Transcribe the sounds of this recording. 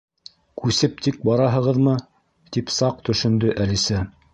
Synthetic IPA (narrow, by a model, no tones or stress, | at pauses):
kʉsɘp̚t̪ik̚bɑɾɑɦɤ̆ʁɤðmɤ | t̪ipsɑq̚t̪ɵ̆ʃɵ̆nd̪ɵʔælisæ